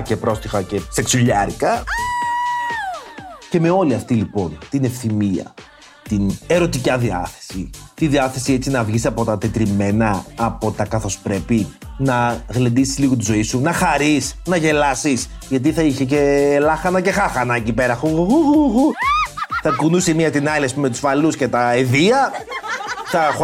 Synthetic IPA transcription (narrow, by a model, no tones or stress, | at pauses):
cepɾo̞st̪ixɐce̞se̞ksuʎɐɾikɐ | ce̞me̞o̞liɐft̪ilipo̞nt̪ine̞fθimiɐ̰ | t̪ine̞ɾo̞t̪icɐðiɐ̰θe̥sit̪iðiɐθe̞sie̞t͡sinɐvʝisɐpo̞t̪ɐt̪et̪ɾime̞nɐːpo̞t̪ɐkɐθo̞spɾe̞pinɐɣlend̪isizliɣot̪̬izo̞isunɐxɐɾisnɐʝe̞lɐsis | ʝɐt̪̬iθɐiçece̞ːlɐxɐnɐce̞xɐxɐnɐecipeɾɐxuɣuɣuɣɣu | θɐkunusemiɐt̪inɐliɐspumet̪u̥sfɐlusce̞t̪ɐeðiɐ | θɐ